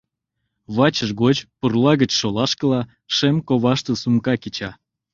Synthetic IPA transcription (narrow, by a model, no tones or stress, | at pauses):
βɑt͡ɕəʃɣot͡ɕpurlɑɣət͡ɕʃolɑʃkə̆lɑ | ʃemkoβɑʃt̪əsumkɑkit͡ɕɑ